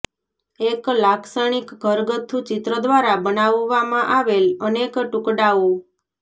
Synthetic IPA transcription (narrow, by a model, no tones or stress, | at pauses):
eklakʰsaɽ̃ikɡʱəɾɡət̪ʰːũt͡ʃɪt̪ɾəd̪ʋaɾabənaʋʋːamãʔaʋelənekʈukɖau